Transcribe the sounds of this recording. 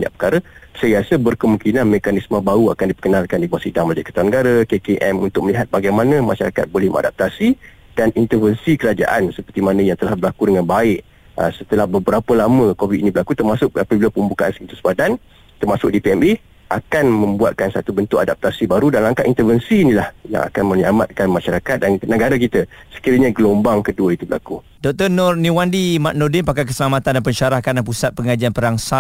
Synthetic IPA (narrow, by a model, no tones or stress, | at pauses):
ɲa̰ʔpə̥kaɾasəasabərkəmuŋkinanmekanismə̃bauakandipə̥kənalkandibuat̪sidaŋməlad͡ʒakət̪awanəɡaɾakekeʔɛmunt̪ʊk̚məliɦat̪̚baɡajmanãmaʃaɾa̰ka̰t̪̚bolɛhmə̰ŋa̰dap̚t̪asi | danint̪ərvənsikəɾad͡ʒa̰ʔansəpərt̪imanãjaŋt̪əlahbəlakudəŋanbaɪʔ | ə̰sət̪əlahbəbəɾapəlamə̃kovit̪inĩbəɾlakut̪ərmasʊk̚apəbilapəmbukaʔansint̪usbadan | t̪ərmasʊk̚dipiɛmi | ʔakanmə̃mbua̰t̪̚kansa̰t̪ubənt̪ʊʔadap̚t̪asibaɾudanlaŋkaʔint̪əvənsiːnilahja̰ŋʔa̰kanmə̃ɲama̰t̪̚kanmãʃaɾakat̪̚dannəɡaɾakit̪ə | sə̥kiɾəɲãɡəlombaŋkəduait̪ubəlaku | dɔk̚t̪ənɔrniwandimaʔ̚nɔdɪnpakakəsəlamat̪andanpəɲʃaɾahkandanpusat̪̚pəŋad͡ʒianpəɾaŋsa